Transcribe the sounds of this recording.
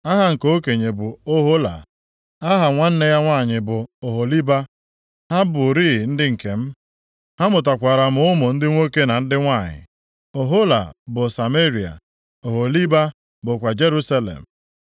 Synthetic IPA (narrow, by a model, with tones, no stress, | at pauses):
a˦ɦa˨ŋ̩˨ko˦ke˨ɲe˨bʊ˨o˦ɦo˦la̰˨ | a˦ɦa˨ŋʷa˦n̩˦ne˦ja˦ŋʷa˦˨ɲɪ˨bʊ˨o˨ɦo˨li˦ba˦ | ha˦bʊ˨ɾi˦˨n̩˦dɪ˦ŋ̩˨ke˨m̩˦ | ha˦mʊ˨t̬a˨kʷa˨ɾa˨m̩˦ʊ˦mo˨n̩˦dɪ˦ŋʷo˦ke˦na˨n̩˦dɪ˦ŋʷa˦˨ɲɪ̰˨ | o˨ɦo˦la̰˨bʊ˨sa˨me˦ɾi˨a̰˨ | o˨ɦo˨li˦ba˦ | bʊ˨kʷa˨d͡ʒe˦ɾu˦sa˦lḛ˨m̩˨